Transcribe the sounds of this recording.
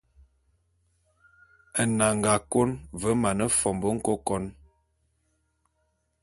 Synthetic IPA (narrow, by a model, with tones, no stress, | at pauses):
ə˨na˨ŋ˨ɡa˨ko˦nvə˨˦ma˨nə˦fɔ˨mbə˦ŋ̩˦ko˦kɔ˦n